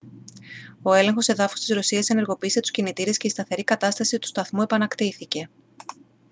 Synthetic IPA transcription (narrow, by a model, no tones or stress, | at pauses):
oe̞le̞ŋxo̞se̞ðɐfo̥st̪izɾo̞siɐse̞ne̞ɾɣo̞piːse̞t̪u̥scinit̪iɾe̞sce̞ist̪ɐθe̞ɾikɐt̪ɐst̪ɐsit̪u̥st̪ɐθmue̞pɐnɐkt̪iθice̞